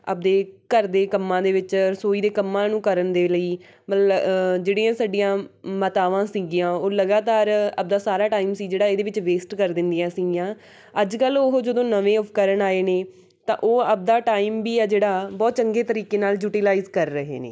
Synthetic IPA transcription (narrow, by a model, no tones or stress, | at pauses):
ə̰p̚d̪eːkəɾd̪eːkəmːãːd̪eːʋɪt͡ʃːɾsoːiːd̪eːkəmːãːnũːkəɾəɳd̪eːləiː | məəd͡ʒeːɽiːãːsaːɖijãːmət̪aːʋãːsiːɡiãːoːləɡaːt̪aːɾə̰p̚d̪aːsaːɾaːʈaːiːmsiːd͡ʒeːɽaːeːd̪eːʋɪt͡ʃʋeːsʈkəɾd̪ɪnd̪ijãːsiːɡijãː | əd͡ʒkəlʊɦd͡ʒəd̪õːnəʋẽːɔpʰkəɾəɳaːeːneː | t̪ã̰ːʔoːəp̚d̪aːʈaːiːmbiːaːd͡ʒeːɽaːbɔːt̪̚t͡ʃəŋɡeːt̪əɾiːkeːnaːljuːʈiːlaːiːzkəɾːəɦḛːnḛː